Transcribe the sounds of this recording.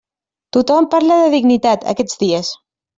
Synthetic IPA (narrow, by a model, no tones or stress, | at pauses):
t̪ut̪ɔmpaɾləðəðiɡnit̪at̪ə̰kɛd͡zðiəs